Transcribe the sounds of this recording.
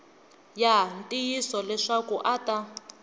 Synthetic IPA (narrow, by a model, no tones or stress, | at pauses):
jantʼijisɔlɛʂakuʔata